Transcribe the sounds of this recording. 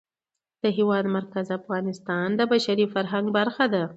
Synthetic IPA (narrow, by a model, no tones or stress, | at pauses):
d̪̥əɦewɑd̪maɾkazafɣɑnɪst̪ɑnd̪əbaʃaɾifaɾɦaŋɡbaɾxad̪a